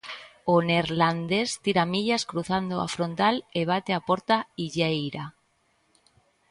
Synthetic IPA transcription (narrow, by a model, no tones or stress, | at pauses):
oneɾland̪est̪iɾamiʎaskɾuθand̪oa̰fɾont̪aleβ̞at̪eapoɾt̪aiʝejɾa